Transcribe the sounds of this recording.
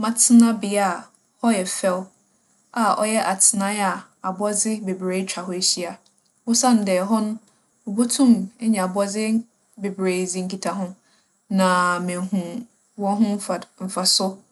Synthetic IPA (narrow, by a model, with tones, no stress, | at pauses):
mã˨tʰɪ˦nã˦bɪ˨a˦˨ | hɔ˦jɛ˨fɛ˦l | a˨ʔɔ̰˨jɛ˦ʔa˨tʰɪ˨˦nã˦ja˨ | a˨bɔ˦d͡zɪ˦be˨bɾeː˨˦t͡ɕᶣa˨hɔ˦e˨˦ɕi˦a˨ | wʊ˦sã˦n˨dɛː˨ɦɔ˦nʊ̃˦ | o˨bo˦tʰũ˦˨mɛ˦ɲɛ̃˨a˨bɔ˦d͡zɪ˦ | be˨bɾe˨d͡zĩ˦˨ŋ̩˦ki˨tʰa˨ɦʊ̃˦ | nã˨mɪ̃˨ɦũ˨ | wɔ̃˦ɦʊ̃˦m̩˦a˨m̩˨fa˨sʊ˦